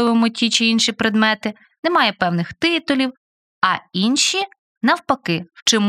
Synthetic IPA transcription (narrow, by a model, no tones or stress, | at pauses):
ɪʋɪmʊtʲit͡ʃɪinʃipɾed̪mɛt̪ɪ | nɛmɑjɛpɛwnɪxt̪ɪt̪ʊlʲiw | ɐinʃi | nɐwpɐkɪwt͡ʃɔm